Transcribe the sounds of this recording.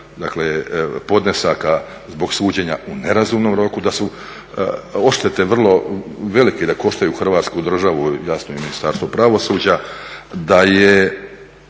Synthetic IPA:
d̪aklepo̞d̪nesaka | zbo̞ɡsuːd͡ʑe̞ɲaune̞ɾazuːmnomɾo̞kud̪asu | o̞ʃt̪et̪e̞ʋr̩lˠo̞ʋe̞liked̪ako̞ʃt̪ajuxr̩ʋaːt̪skud̪r̩ʒaʋujasnoiminist̪aɾst̪o̞pɾaʋo̞suːd͡ʑad̪aje

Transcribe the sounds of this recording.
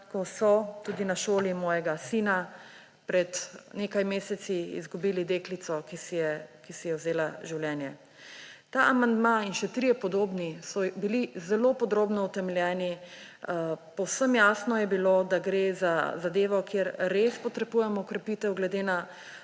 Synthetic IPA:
kɔsɔt̪uːd̪inaʃoːlimɔːjɛɡasiːna | pɾɛt̪neːkajmeːsɛt̪siḭzɡubiːlid̪eklit̪sɔkisijɛkisijɛwzeːlaʒiwljɛːnjɛ | t̪aʔamand̪mainʃɛt̪ɾijɛpɔd̪oːbnisɔbilizɛlopɔd̪ɾoːbnɔut̪ɛmɛljɛːni | pɔwsəmjasnɔjɛbilod̪aɡɾeːzazad̪eːʋɔkjeɾːespɔt̪ɾɛbuːjɛmɔkɾɛpit̪ɛwɡlɛd̪ena

